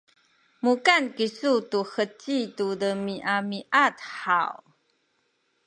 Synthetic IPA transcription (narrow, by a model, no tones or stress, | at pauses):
mukankisutuxət͡ɕitudəmiʔamiʔatħa̰w